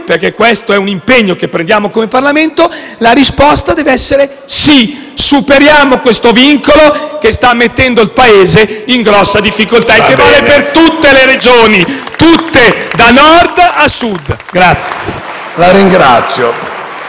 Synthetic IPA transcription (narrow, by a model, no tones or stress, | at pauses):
perkekːwest̪oɛunimpeɲːokepːɾend̪jaːmokomeparlament̪o | laɾispɔst̪ad̪ɛːveɛsːeɾe | si | supeɾjaːmokwest̪oviŋkolokest̪amːet̪ːɛnd̪oilpaeːzeiŋɡɾɔsːad̪ifːikolt̪aek̟ːevaːlepert̪ut̪ːeleɾed͡ʒoːnit̪ut̪ːed̪anɔrd̪asud̪ɡɾat̪sːje | laɾiŋɡɾa̰t̪sːjo